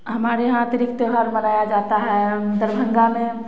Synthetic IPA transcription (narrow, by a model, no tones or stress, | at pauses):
ɦəmaɾeɦãt̪əɾikt̪eɦaɾmənajad͡ʒat̪aɦɛd̪əɾbʱə̃ŋɡamẽ